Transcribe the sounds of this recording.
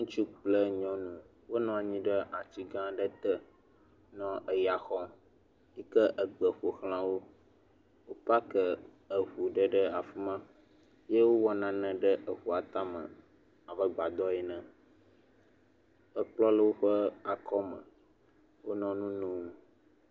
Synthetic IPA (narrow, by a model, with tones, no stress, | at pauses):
ŋũ˦t͡ʃu˦k͡plə˦ɲɔ̃˦nũ˦ | wo˦nɔ̃˦a˨ɲĩ˦ɖə˦ʔa˨t͡ɕi˦ɡã˦ɖə˦t̪ə˦ | nɔ̃˦ʔə˨ja˨xɔ˦ | i˦kə˦ʔə˨ɡ͡bə˨ɸo˨xl̃ã˨wo˦ | wo˦pa˦kə˦ | ə˨ɸu˨ɖə˦ɖə˦a˨fi˦mã˦ | je˦wo˦wɔ˦nã˨nə̃˨ɖə˦ʔə˨ɸu˨a˨t̪a˦mə̰̃˨ | a˨bə˦ɡ͡ba˨d̪ɔ˦ɛ˦nə̃˨ | ə˦k͡plɔ˦lə˦wo˦ɸə˦a˨kʰɔ˦mə̰̃˨ | wo˦nɔ̃˦nũ˦nũ˦˨